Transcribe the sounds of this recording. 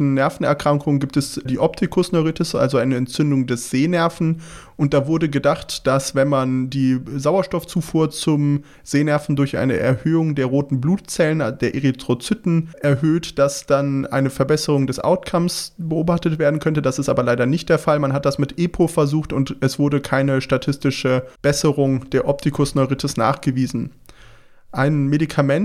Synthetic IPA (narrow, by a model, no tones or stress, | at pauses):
n̩nɛɐfn̩ɛ̰ɐkʁ̥aŋkʰʊŋəɡiːp̚tɛsdiːʔɔp̚tʰɪkʰʊsnɔʁitɪsʔa̰lzoʔaɪnəɛntt͡sʏndʊŋdɛsz̥eːnɛɐfn̩ | ʔʊnt̚d̥aːvʊɐdəɡədaχtd̥asv̥ɛnmandiːzaʊɐʃtɔft͡suːfuːɐt͡sʊm | z̥eːnɛɐfn̩dʊɐçʔa̰ɪnəʔɛ̰ɐhøːʊŋdeːɐʁoːtn̩bluːt̚t͡sɛlənd̥eːɐʔeʁitʁ̥ot͡sytn̩ʔɛɐɦøːtd̥asd̥anʔa̰ɪnəfɛɐbɛsəʁ̞ʊŋdɛsʔa̰ʊtkʰamsbəʔoːbaχtətv̥eːɐdn̩kʰœntəd̥asɪstʔaːbɐlaɪɾɐnɪçt̚d̥eːɐfalmanɦat̚d̥asmɪtʔeːpʰofɛɐzuːxtʊntʔɛsv̥ʊɐdəkʰaɪnəʃtatʰɪstɪʃəb̥ɛsəʁʊŋd̥eːɐʔɔp̚tʰikʰʊsnɔʏʁɪtʰəsna̰ːχɡ̥əviːzn̩ | ʔaɪnmedikʰamɛn